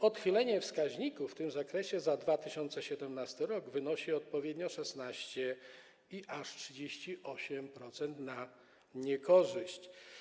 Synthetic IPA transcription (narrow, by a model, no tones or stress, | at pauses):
ɔt̪xilɛɲɛfskaʑɲikufːt̪ɘmzakɾɛɕɛzad̪vat̪ɘɕɔnt̪sɛɕɛd̪ɛmnast̪ɘɾɔɡvɘnɔɕiɔt̪̚pɔvʲjed̪ɲɔʂɛsnaɕt͡ɕɛ | iʔaʂtʂɘd͡ʑeɕt͡ɕiʔɔɕɛmpɾɔt̪sɛnt̪na | ɲɛkɔʐɘɕt͡ɕ